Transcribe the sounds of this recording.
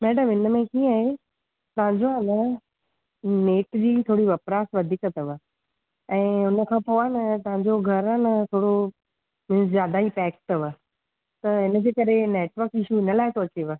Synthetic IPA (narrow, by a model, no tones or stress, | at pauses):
mɛːɖəmɪnə̆mẽkĩːaːɦe | t̪ɐʋãɲd͡ʑoanɐ | neːʈd͡ʑiːt̪ʰoːɽiʋɐpɾaːsʋɐd̪ʱiːkɐt̪ɐʋə | ɛ̃ːʊnə̆kʰãːpoʋaːnɐt̪ɐʋãɲd͡ʑoɡʱɐɾanɐt̪ʰoːɽo | mɪ̃nszjaːd̪aipɛːkʈəʋə | t̪ɐɪnə̆d͡ʑeːkɐɾeneːʈʋəɾkɪʃuɪnəlaːɪsoːt͡ɕeʋə